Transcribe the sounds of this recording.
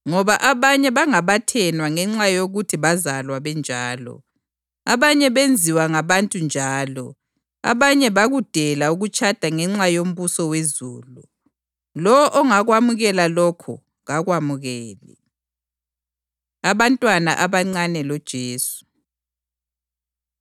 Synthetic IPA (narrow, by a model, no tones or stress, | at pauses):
ŋɔβaʔaβaɲɛβaŋaβatʰɛnwaŋɛŋ͡ǁajoɣutʰiβazalwaβɛnd͡ʒʱaːlɔ̰ | aβaɲɛβend͡zʱiwaŋaβantʼund͡ʒʱaːlɔ̰ | a̰βaɲɛβaɣud̥ʱɛlauɣut͡ʃʰʼad̥ʱaŋɛŋ͡ǁajom̩βusɔwezuːlu | lɔɔʔɔŋaɣwamuɣɛlalɔkʰɔ̰ | ɣaɣwamuɣɛːlɛ̰ | aβantʼwana̰ʔaβaŋ͡ǀanɛlɔd̥ʒ̥ʱeːsu̥